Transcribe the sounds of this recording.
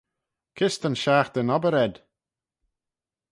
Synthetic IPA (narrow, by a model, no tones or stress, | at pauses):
kʰɪst̪ənʃaːxd̪̥ənɔbəɾɛd̪̥